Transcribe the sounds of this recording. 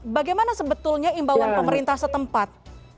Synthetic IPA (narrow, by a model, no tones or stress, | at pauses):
baɡajmanasəbət̪ʊlɲaimbawanpəməɾint̪ahsət̪əmpat̪̚